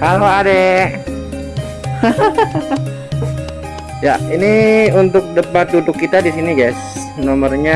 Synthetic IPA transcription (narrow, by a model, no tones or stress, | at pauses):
kaloade | jainiunt̪ʊk̚dəpat̪̚dudʊkːit̪adisiniɡajs | nomərɲa